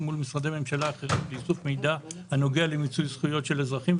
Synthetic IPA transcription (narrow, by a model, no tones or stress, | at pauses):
mulmisʁad̪eme̞mʃalaːχeʁitbeisufme̞jdahano̞ɡe̞alemit͡sujsχujo̞tʃe̞lezʁaχim